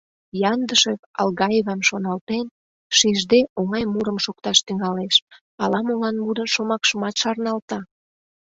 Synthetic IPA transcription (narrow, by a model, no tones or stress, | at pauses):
jɑnd̪əʃekɑ̰lɣɑjeβɑmʃonɑlt̪en | ʃiʒd̪eʔoŋɑjmuɾəmʃok̚t̪ɑʃt̪yŋɑleʃ | ɑlɑmolɑnmuɾənʃomɑkʃəmɑt̪ʃɑrnɑlt̪ɑ